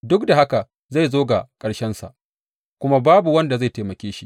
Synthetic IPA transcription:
dʊ˦k̚da˨ha˦ka˨ | za˦˨jzoː˦ɡa˨kʼɐ˨ɽʃɛ˦nsa̰˨ʔ | kʷʊ˦ma˦baː˦bu˨wɐ˦nda˨za˦˨jteː˨mɐ˨kʲeː˦ʃi˦

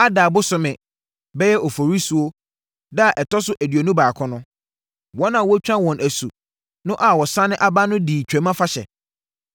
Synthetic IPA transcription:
a˦daː˨bʊ˦sʊ˨mɪ̃˨ | bɛ˦jɛ˦ʔɔ˨fo˨ɾi˦su˨o˦ | da˦a˨ʔɛ˨tʰɔ˦sʊ˦ʔæ˨di˨o˨nũ˦baː˨kʰɔ̃˦nʊ̃˦ | wɔ̃˦nã˨wɔ˦t͡ɕᶣã˦wɔ̃˨nʔæ˨su˨ | nʊ̃˦ʔa˨wɔ˨sã˦nɪ̃˦ʔa˦ba˦nʊ̃˦diː˨t͡ɕʰᶣɛ̃˨˦mã˦fa˦ɕɛ̰˨

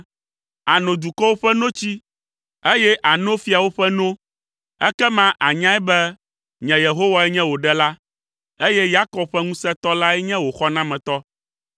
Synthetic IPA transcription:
a˨nõ˨d̪u˨kɔ˦wo˦ɸɛ˦nõ˦t͡ɕi˦ | e˦jɛ˦ʔa˨nõ˦fi˦a˨wo˦ɸɛ˦nõ˦ | ɛ˦kɛ˦mã˦ʔa˨ɲã˦ɛ˦bɛ˦ | ɲɛ̃˨je˨ɦo˦wa˨ɛ˦ɲɛ̃˦wo˨ɖɛ˦la˦ | e˦jɛ˦ja˦kɔ˨˦b̚ɸɛ˦ŋũ˦sɛ˦t̪ɔ˦la˦ɛ˦ɲɛ̃˦wo˨xɔ˦nã˦mɛ̃˨t̪ɔ˦

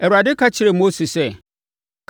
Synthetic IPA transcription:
ɛ˨wɾa˨dɪ˦kʰa˦t͡ɕʰɪ˨ɾe˨mo˦si˨sɛ˦ | kʰ

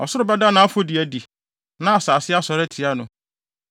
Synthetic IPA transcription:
ɔ˨sʊ˦ɾʊ˦bɛ˦da˦nã˨˦a˦fo˦di˨æ˨di˨ | nã˦a˨saː˨sɪ˦a˦sɔ˨ɾɛ˦tʰi˨a˦nʊ̃˨

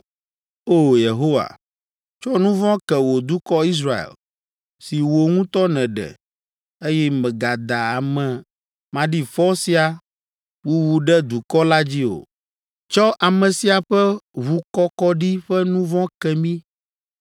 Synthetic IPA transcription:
o˦˨je˨ɦo˦wa̰˨ | t͡ʃɔ˦nũ˦vɔ̃˦kɛ˨wo˨d̪u˦kɔ˦i˦s̬ɾa˦˨ḛ˨l | si˨wo˨ŋũ˦t̪ɔ˦nɛ̃˨ɖɛ̰˨ | e˦jɛ˦mɛ̃˨ɡa˨d̪a˨a˨mɛ̃˨ | mã˨ɖi˦fɔ˦si˦a˨ | wu˦wu˨ɖɛ˦d̪u˨kɔ˦la˦d͡ʑi˦o̰˨ | t͡ʃɔ˦ʔa˨mɛ̃˨si˦a˨ɸɛ˦βu˦kɔ˦kɔ˦ɖi˦ɸɛ˦nũ˦vɔ̃˦kɛ˨mĩ˦

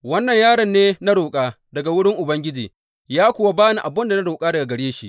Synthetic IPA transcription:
wɐ˦nːɐ˨ɲjaː˦ɽɐ˨nːeː˦na˦ɽoː˨kʼaː˦ | dɐ˨ɡa˨wʊ˦ɽɪ˦ŋʔʊ˨bɐ˦ŋɡʲɪ˦d͡ʒiː˨ | jaː˦kʷʊ˨wa˦baː˦ni˨ʔa˨bʊ˦nda˨na˦ɽoː˨kʼaː˦dɐ˨ɡa˨ɡɐ˨ɽeː˦ʃḭ˦˨ʔ

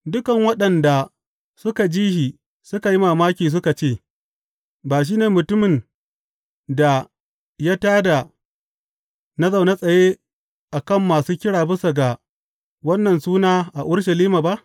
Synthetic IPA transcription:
dʊ˦kɐ˨ŋwɐ˦ɗɐ˨nda˨ | sʊ˦ka˨d͡ʒiː˦hiː˨ | sʊ˦ka˨ji˦maː˨maː˦kʲiː˨s̬ʊ˦ka˨t͡ʃeː˦˨ | baː˨ʃ̬iː˦neː˨mʊ˨tʊ˦mɪ˨n | da˨ | ja˦taː˦da˨ | na˦za˨wna˦sʼɐ˨jeː˦ | ʔa˨kɐ˦˨mːaː˨suː˦kʲɪ˦ɽaː˨bɪ˦sa˨ɡa˨ | wɐ˦nːɐ˨nsuː˦naː˦ʔa˨ʔʊ˦ɽʃ̬a˨liː˦maː˨ba˦ʔ

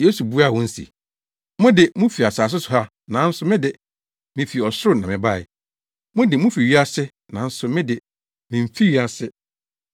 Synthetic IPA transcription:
je˦su˨bu˦a˦˨wʊ̃˦n̩˦sḭ˨ | mʊ̃˦dɪ˨mũ˦fi˨a˨saː˨s̬ʊ˦sʊ˨ha˦ | nã˨˦n̩˦sʊ˦mɪ̃˦dɪ˨ | mɪ̃˨fi˨ɔ˨sʊ˦ɾʊ˦nã˨mɪ̃˨ba˦˨ɪ̰˨ | mʊ̃˦dɪ˨mũ˦fi˨ɥi˦a˦sɪ˦ | nã˨˦n̩˦sʊ˨mɪ̃˦dɪ˨ | mɪ̃˨m̩˨fi˦ɥi˦a˦sɪ˦

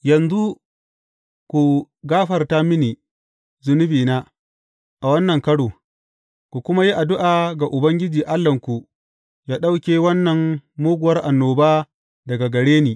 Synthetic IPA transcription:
jɐ˨nzu˦ | kʷu˨ | ɡaː˦ɸɐ˨rta˦mɪ˦niː˨ | zʊ˦nʊ˦biː˨naː˦ | ʔa˨wɐ˦nːɐ˨ŋkɐ˦ɽoː˨ | kʷu˨kʷʊ˦ma˦ji˦ʔa˨dʊ˦ʔaː˨ɡa˨ʔʊ˨bɐ˦ŋɡʲɪ˦d͡ʒiː˨ʔa˦lːɐ˨ŋkʷu˨ | jaː˦ɗa˦wkʲeː˨wɐ˦nːɐ˨ŋmoː˦ɡʷʊ˨wɐ˦rʔa˨nːoː˨baː˦ | dɐ˨ɡa˨ɡɐ˨ɽeː˦niː˨

